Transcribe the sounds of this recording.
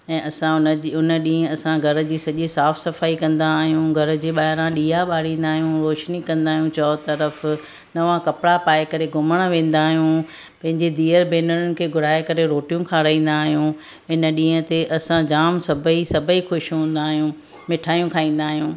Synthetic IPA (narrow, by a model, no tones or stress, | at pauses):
ɛ̃ːʔɐsãʊniʊnəɗĩːə̃ɐsãɡʱɐɾ̆d͡ʑiːsɐʄisaːfsɐfaːikɐ̃nd̪aːɦijũɡʱɐɾʊ̆d͡ʑiːɓaːɦɪɾãɗiːaɓaːɽĩːn̆d̪aːɦijũɾoːʃnikɐ̃nd̪aːɦjũt͡ɕɔːt̪ɐɾəf | nɐʋãkɐpɪɽapaːekɐɾeɡʱʊməɽ̃ʋẽːn̆d̪aːɦijũ | pɐ̃ɦɪ̃ɲd͡ʑed̪iːəɾbʱeːnəɾʊnɪ̆kʰeːɡʱʊɾaːekɐɾeɾoːʈijũkʰãɾɐĩːn̆d̪aːɦijũ | ɪnə̆ɗĩːə̃t̪eʔɐsãd͡ʑaːmsɐbʱəisɐbʱəixʊʃɦũːn̆d̪aːɦijũ | mɪʈʰaːjũkʰaːĩːn̆d̪aːɦijũː